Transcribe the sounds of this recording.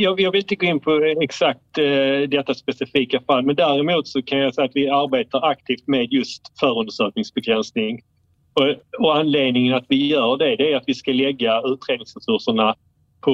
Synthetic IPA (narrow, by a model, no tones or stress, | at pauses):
jɑːjɑːɡvɪlɪnt̪əɡoːɪnpʰɔɛksak̚t̪d̪ɛt̪ːaspɛsɪfiːkafalːmɛnd̪æɾɛmuːt̪sɔkʰanjasɛjːat̪vɪaɾbeːt̪aɾak̚t̪ʰiːft̪meːd̪jɵst̪fœːɾɵnd̪əʂœːk̚nɪŋsbɛɡɾɛnsnɪŋ | ɔɔanleːd̪nɪŋənat̪vɪjœːɖɛd̪ɛɾat̪vɪskalɛɡːaʉ̟ːt̪ɾeːd̪nɪŋsɾɛsɵʂəɳa | pʰɔ